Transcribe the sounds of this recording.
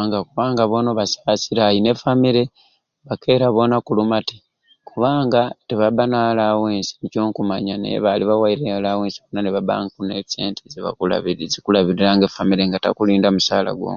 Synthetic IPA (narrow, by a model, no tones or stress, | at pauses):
ŋɡakuβaːŋɡaβo̞noβasasiɾajine̞famiɾe̞ | βake̞ːɾaβo̞nakulumati̥ | kuβaːŋɡateβabanalaweːnsi̥nico̞ːŋkumaɲanḛḛβaliβawaiɾelaweːnsiβonaneβaba̰ŋkunese̞̰ːntʰeziβa̰kula̰βiɾizikulaβiɾiɾaŋɡefamiɾe̞ŋɡata̰kuliːndamusaːla̰ɡwo̰